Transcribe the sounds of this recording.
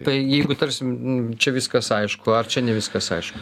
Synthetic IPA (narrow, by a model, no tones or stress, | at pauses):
t̪ɐɪjɛɪɡʊt̪ɐɾʲsʲɪmt͡ʃʲɛʋʲɪskɐsɐɪʃkʊɐrt͡ʃʲɛnʲɛʋʲɪskɐsɐ̰ɪʃkʊ